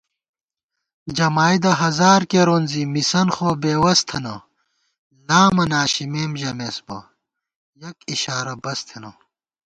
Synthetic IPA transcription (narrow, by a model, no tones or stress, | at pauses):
d͡ʑɐmaːjd̪ɐɦɐzaːɾkeɾoːnzimisɐnxoːbeːwɐst̪ʰɐnɐ | laːmɐnaːɕimeːmʑɐmesbɐ̰ | jɐkiɕaːɾɐbɐst̪ʰenɐ